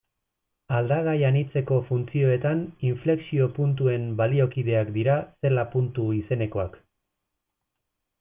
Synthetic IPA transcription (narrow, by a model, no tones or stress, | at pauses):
ald̪aɣajanit͡se̞ko̞funt͡sio̞e̞t̪aniɱfle̞ksio̞punt̪ue̞mbalio̞kið̞e̞akd̪iɾase̞lapunt̪uise̞ne̞ko̞ak